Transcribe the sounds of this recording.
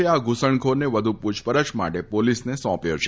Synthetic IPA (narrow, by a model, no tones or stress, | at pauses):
eaɡusəɳ̃kʰoɾneʋəd̪ʱuput͡ʃʰpəɾət͡ʃma̰ʈepolisnesɔ̃pjo̰t͡ʃʰe